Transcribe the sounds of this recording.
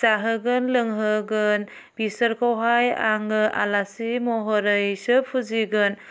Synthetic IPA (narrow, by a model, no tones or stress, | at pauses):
zaɦɯɡɯnlɯŋɦɯɡɯn | b̥isəɾkʰawɦaja̰ŋɯʔa̰lasimɔɦɔɾɯjsɯpʰuziɡɯn